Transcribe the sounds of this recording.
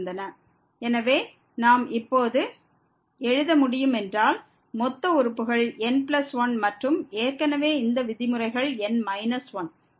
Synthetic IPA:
nd̪ɐnɐ | ɛnɐʋeː | naːmɪpːoːðɯ | ɛɻɯðɐmʊɽɪjɯmɛndraːl | mɔt̪ːɐʊɾɯpːɯɣɐɭɛnpɪlɐsʋɐnmɐʈrɯmeːɾkːɐnɐʋeːɪnd̪ɐʋɪðɪmɯrɐɪɣɐɭɛnmɐɪnɐsʋɐn

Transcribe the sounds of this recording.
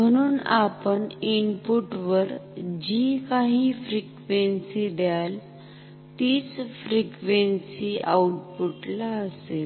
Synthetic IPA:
m̤əɽ̃uːna̰pəɳinpuʈʋəɾd͡ʑikaɦiːfɾikʋensid̪jal | t̪iːt͡sfɾikʋensiʔauʈpuʈlaəse

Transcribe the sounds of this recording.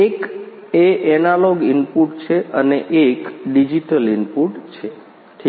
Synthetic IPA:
ek | eʔɛnaloɡimpuʈt͡ʃʰeʔəneʔekɖid͡ʒiʈəlimpuʈt͡ʃʰe | ʈʰi

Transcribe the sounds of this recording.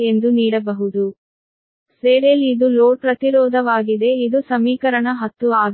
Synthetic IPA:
end̪uniːɽɐbɐɦud̪u | seːɾelid̪uloːʈpɾɐt̪iɾɔːd̪ʱɐʋaːɡid̪e̞id̪usɐmiːkɐɾɐɳɐɦɐt̪ːuaːɡ

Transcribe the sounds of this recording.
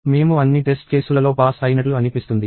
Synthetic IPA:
me̞ːmuɐnːiʈesʈ̚ke̞ːsulɐlo̞ːpaːsɐjɐnɐʈluɐnipist̪und̪i

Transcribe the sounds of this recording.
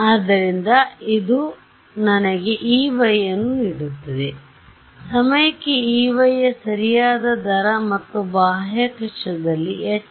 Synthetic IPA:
aːd̪ːɐɾind̪ɐid̪u | nɐnɐɡe̞ʔiːʋɐjːɐnːuiɽut̪ːɐd̪e | sɐmɐjɐkːeiːʋɐjːɐsɐɾijaːd̪ɐd̪ɐɾɐmɐt̪ːubaːɦjɐkɐʂɐd̪ɐlːiɛ

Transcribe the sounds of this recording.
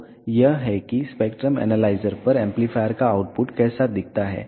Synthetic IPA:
jəɦɦɛkispekʈɾəmɛ̰nəlaɪzəɾpəɾɛ̃mplifʰajəɾkaːwʈpuʈkɛːsad̪ɪk̚ʰt̪aɦɛ̰

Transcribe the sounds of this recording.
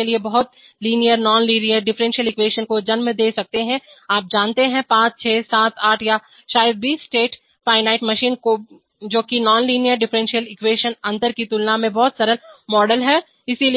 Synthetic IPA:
liebɐɦʊt̪̚ | liːnijəɾnɔːnliːnijəɾɖɪfɾɛ̃ːnʃijəlɪkweːʃənkod͡ʒɐnmd̪eːsɐk̚t̪eɦɛ̃aːp̚d͡ʒaːnt̪eɦɛ̃pãːt͡ʃt͡ʃʰɛːsaːt̪ʰaːʈʰja | ʃaːjəd̪̚biːsːʈeːʈ | faːɪnaːɪʈmɐʃiːnko | d͡ʒoːkinɔːnliːnijəɾɖɪfɾɛ̃nʃijəlɪkweːʃənɐ̃nt̪əɾkit̪ʊlnamẽbɔɦʊt̪sɐɾəlmɔːɖəlɦɛ | ɪsili

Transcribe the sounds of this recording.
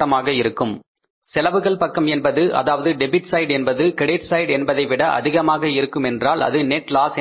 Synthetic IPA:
ɐmaːɣɐɪɾɯkːɯm | sɛlɐʋɯɣɐɭpɐkːɐmɛnbɐðɯʔɐ̰ðaːʋɐðɯɖɛbɪʈsɐɪɖɛnbɐðɯkɪɽeːʈsɐɪɽɛnbɐðɐɪʋɪɽɐʔɐ̰ðɪɣɐmaːɣɐɪɾɯkːɯmɛndraːlɐ̰ðɯnɛʈlaːsɛ

